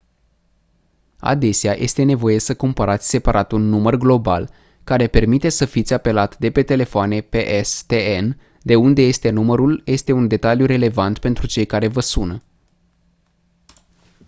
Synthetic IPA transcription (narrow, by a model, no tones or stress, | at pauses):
a̰d̪e̞seajʔe̞st̪e̞ne̞vo̞je̞səkumpəɾat̪sʲse̞paɾʔat̪unːumərɡlo̞ba̰l | kaɾe̞pe̞rmit̪e̞səfit̪sʲape̞lat̪d̪e̞pe̞t̪e̞le̞foane̞peʔest̪een | d̪e̞und̪e̞je̞st̪e̞numəɾuljʔe̞st̪e̞und̪e̞t̪aljuɾe̞le̞vant̪pe̞nt̪ɾut͡ʃe̞jkaɾe̞vəsunə